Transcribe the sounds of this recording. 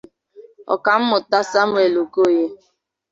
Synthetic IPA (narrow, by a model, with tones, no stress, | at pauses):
ɔ̰˨ka˨m̩˦mʊ˨ta˦sa˦mwe˨lo˨ko˦˨je˦